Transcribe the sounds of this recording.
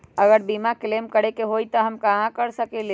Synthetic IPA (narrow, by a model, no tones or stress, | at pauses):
əɡəɾbimaklemkəɽekeɦoit̪ɔɦəmkəɦãkəɾsəkele